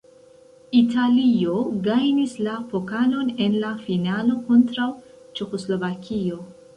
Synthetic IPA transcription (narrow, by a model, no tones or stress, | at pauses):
italio̞ɡajnislapo̞kalo̞ne̞nlafinalo̞ko̞ntɾaw | t͡ʃe̞xo̞slo̞vakʰio̞